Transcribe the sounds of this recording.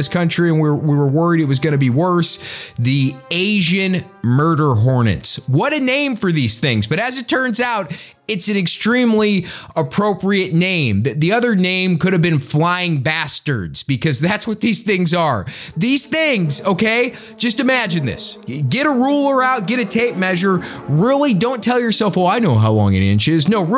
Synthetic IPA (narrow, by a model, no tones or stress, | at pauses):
ɪskʰʌ̃nt͡ʃɹ̥iɨ̃nwi˞wiwə˞wɜ˞iɾɨt̚wʌzɡʌñɨbiwɜ˞sðieɪʒɨ̃n | mɜ˞ɾə˞ɦɔɹnɨ̰̃ntswʌɾɨnẽɪ̃ɱfə˞ðiz̥θɪ̃ŋzbʌɾɨzɨtʰɜ̃˞nzaʊɾ | ɨtsɨ̃n̩ɨkstɹ̥ĩmliəpʰɹ̥oʊpɹiɨtⁿnẽɪ̃mðɨt̪̚ðiʌðə˞nẽɪ̃mkʊɾɨvbɨ̃nflaɪɪ̃ŋbæstə̰˞dz̥bɨkʰʌzðætswʌt̪̚ðiz̥θɪ̃ŋzə˞ðiz̥θɪ̃ŋzoʊkʰeɪ | d̥d͡ʒ̥ʌstɨmæd͡ʒɨ̃nðɪ̰sɡɛɾəɹulˠə˞ãʊ̃n̚ɡ̥ɛɾɨtʰeɪp̚mɛʒə˞ɹɪlˠidõʊ̃ntʰɛlˠjə˞sɛlˠfwɔlˠaɪnoʊɦaʊlɔ̰̃ŋɨ̰ɾɪ̰̃nt͡ʃɪznoʊ